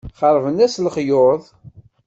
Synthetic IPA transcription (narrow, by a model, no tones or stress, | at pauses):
χəɾˤvənæslχjʊðˤ